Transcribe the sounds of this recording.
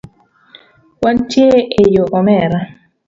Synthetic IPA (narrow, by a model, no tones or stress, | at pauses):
wantjeʔejoʔɔmɛɾa